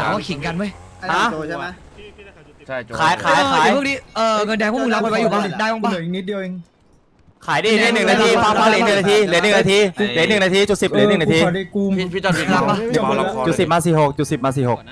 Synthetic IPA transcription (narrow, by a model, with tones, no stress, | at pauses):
a̰ː˨˦waː˥˩kʰi˩˦ka˧nwu˥˩j | a˧˦˥ | kʰaː˨˩˦jkʰaː˨˥˩jʰaː˧˩˦jkniː˦˥˩ʔɤː˧˩ŋɤ˧ndɛː˧kʰːmu˧˦˧lpʰːwjuː˨˩ba˧˥˩daː˥˩jbɔː˧˩baː˧˥˩ŋni˦˥t̪̚di˧ə˧wi˧ŋ | kʰaː˨˩˦jdiː˧˨niː˥˩n˨˩ŋnaː˧˩t̪ʰiː˧aː˧˥˩kaː˧˥˩li˦˩˦nɯ˨˩na˧t̪ʰiː˧˩lnːɯ˨˩naː˧t̪ʰiː˧li˨˩˦nːɯ˨˩naː˧t̪iː˧t͡ɕu˨˩t̚si˨˩p̚li˨˦nɯ˨˩ŋnaː˧iː˧u˧mʰ˧i˦˥ɔ˧˩i˧˩˧la˦˥ba˧˥˩t͡ɕu˨˩t̪̚si˨˩p̚maː˧s̬iː˨˩ho˨˩k̚t͡ɕu˨˩si˨˩p̚maː˧s̬iː˨˩ho˨˩k̚